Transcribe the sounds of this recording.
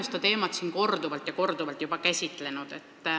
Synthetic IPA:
st̪ɑt̪e̞ːmɑt̪siːnko̞rd̪uvɑlt̪ˑjɑko̞rd̪̥uvɑlt̪jub̥ɑkæsʲit̪ˑle̞nud̪̥e̞t̪ːˑ

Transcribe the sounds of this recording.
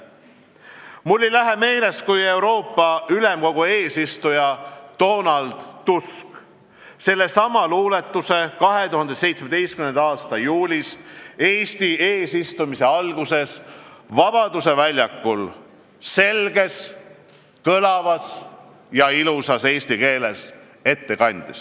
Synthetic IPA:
mulːilæɦe̞me̞ːle̞skuje̞wɾo̞ːpːɑylemko̞ɡ̥ue̞ːsist̪ujɑt̪o̞ːnɑld̪̥ːusk | se̞lːe̞sɑmɑluːle̞t̪ˑːuse̞kɑɦe̞t̪uɦɑnd̪̥ese̞jt̪smed̪e̞jst̪kymnend̪ɑɑːst̪ɑjuːlʲise̞ːsʲt̪ieːsist̪umise̞ɑlɡ̥use̞svɑbɑd̪use̞vælʲjɑkːul | se̞lɡe̞s | kɤlɑvɑs | jɑilusɑse̞ːst̪ike̞ːle̞s | e̞t̪ːe̞kɑnʲd̪̥is

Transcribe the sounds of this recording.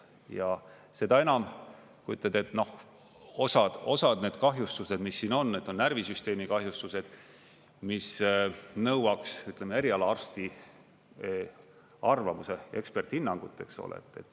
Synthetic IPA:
jɑ | se̞d̪ɑe̞nɑm | kuy̰t̪ːled̪e̞t̪no̞h | o̞sɑd̪̥o̞sɑd̪̥ne̞ːd̪̥kɑɦjust̪use̞d̪̥misːiːno̞nːed̪̥o̞nnærvisyst̪eːmikɑɦjust̪use̞d̪̥ | misnɤwɑksyt̪ˑlemeeɾiɑlɑɑrst̪i | ɑrvɑmuse̞e̞kspert̪hinːɑŋɡ̥ut̪ːˑekso̰lḛt̪ːˑḛt̪ːˑ

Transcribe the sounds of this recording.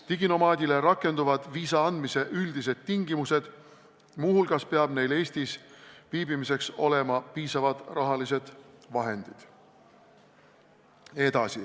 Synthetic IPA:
t̪iɡino̞mɑːd̪ʲileɾɑkːˑe̞nd̪uvɑd̪̥viːsɑɑnd̪mise̞ʔyld̪̥ised̪̥̚t̪iŋɡimuse̞d̪̥ | muɦhulɡ̥ɑspeɑb̥ne̞jle̞ːsʲt̪isviːbimise̞kso̞le̞mɑpiːsɑvɑd̪̥rɑɦɑlise̞d̪̥vɑɦe̞nd̪̥id̪̥ | e̞d̪̥ɑsi

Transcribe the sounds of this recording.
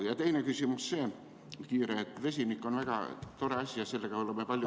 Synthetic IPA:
jɑt̪einækysymusseː | kiːreːˑet̪ːʋesinikːonʋɑikɑ̰t̪oreɑsʲiɑsilːækɑuʋelːɑmepɑljo

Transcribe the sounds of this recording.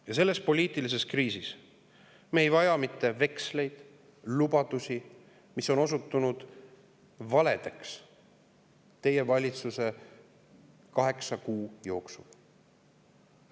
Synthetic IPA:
jɑse̞lːe̞spo̞lʲiːt̪ˑilis̬e̞skriːsis | meeːjvɑjɑmit̪ːe̞ve̞ksle̞jd̪̥ | lubɑd̪usʲi | miso̞no̞s̬ut̪ːˑunud̪̥ | vɑle̞d̪̥eks | t̪e̞je̞vɑlʲit̪suse̞ | kɑɦe̞ksɑkuːjo̞ːksul

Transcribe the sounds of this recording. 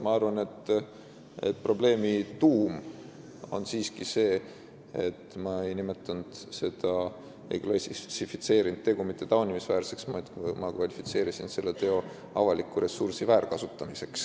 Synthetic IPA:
mɑɑrvɑne̞t̪ː | ḛt̪̚pro̞ble̞ːmit̪uːm | o̞̰nsiːskise̞ː | et̪ːmɑe̞jnime̞t̪ːˑɑnd̪̥se̞d̪̥ɑ | ejklɑsisifit̪se̞ːɾind̪̥̚t̪ːe̞ɡ̥umit̪ːe̞t̪ɑonimisvæːrse̞ksmɑt̪kmɑkvɑlʲifit̪se̞ːɾisinse̞lːe̞t̪e̞o̞ | ɑvɑlikːˑuɾe̞sursivæːɾkɑsut̪ːˑɑmise̞ks

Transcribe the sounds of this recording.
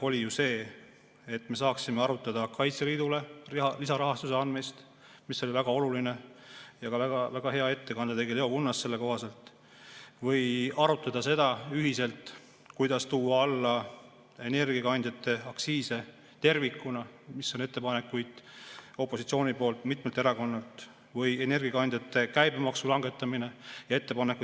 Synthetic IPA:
o̞lʲijuse̞ː | et̪ːme̞s̬ɑːksime̞ɑɾut̪ːˑɑd̪̥ɑkɑjt̪seliːd̪̥ule̞lisɑɾɑɦɑst̪use̞ɑnmist̪ | misːo̞lʲivæɡ̥ɑo̞luline̞jɑɡ̥ɑvæɡɑvæɡ̥ɑɦe̞ɑe̞t̪ːe̞kɑnd̪et̪e̞ɡile̞o̞kunːɑst̪se̞lːe̞ko̞ɦɑse̞lt̪ | vɤjɑɾut̪ːˑɑd̪̥ɑse̞d̪̥ɑyɦise̞lt̪ | kujd̪̥ɑst̪uːɑɑlːɑ | e̞ne̞rɡ̥iɑkɑnd̪̥ʲjɑt̪ːˑe̞ɑksiːse̞ | t̪e̞rvikːˑunɑmisːone̞t̪ˑːe̞pɑne̞kːˑujd̪̥o̞pːˑo̞sit̪sio̞ːnipo̞ːlt̪ˑmit̪melt̪e̞ɾɑko̞nːɑlt̪ˑ | vɤje̞ne̞rɡ̥iɑkɑnd̪̥ʲjɑt̪ːˑe̞kæjbemɑksulɑŋɡ̥e̞t̪ːˑɑmine̞jɑe̞t̪ːe̞pɑneku

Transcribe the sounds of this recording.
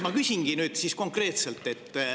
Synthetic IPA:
mɑkysʲiŋɡ̥inyːd̪sisko̞ŋkre̞ːt̪selt̪ːˑe̞t̪ˑː

